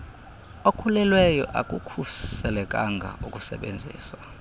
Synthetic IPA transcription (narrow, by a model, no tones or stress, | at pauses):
okʰulɛlwɛjɔʔa̰kʼukʰusɛlɛkʼaŋɡʱa̰ʔukʼusɛ̰ɓend͡zʱḭːswa